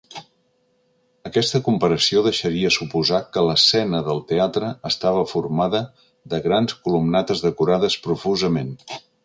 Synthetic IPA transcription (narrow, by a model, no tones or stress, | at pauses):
əkɛst̪əkumpəɾəsioðəʃəɾiəsupuzakələsɛnəðəlˠt̪eat̪ɾəːst̪aβ̞əfurmaðə | ðəɣɾanskulumnat̪əzðəkuɾaðəspɾufuzəmen